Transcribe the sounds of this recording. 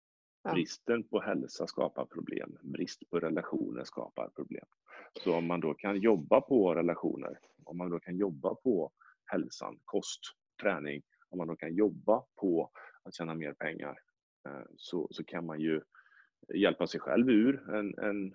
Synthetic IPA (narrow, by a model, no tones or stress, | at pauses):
bɾɪst̪ənpʰɔhɛlsaskɑ̰ːpaɾpʰɾʊblḛːmbɾɪst̪pʰɔɾɛlaɧṵːnə̰ʂkɑ̰ːpa̰ɾpʰɾʊblḛːm | sɔɔmːand̪okʰanjɔbːapʰɔɾɛlaɧṵːnə̰ɾ | ɔmːand̪oːkʰanjɔbːapʰɔ | hɛlsa̰nkʰɔst̪ | t̪ʰːɾɛːnɪŋ | ɔmːand̪oːkʰanjɔbːapʰɔat̪ɕɛːnameːɾpʰɛŋːa̰ɾ | sɔsɔkʰanmanjɵ | jɛlpasɛjɧɛ̰lvʉːɾɛnɛ̰n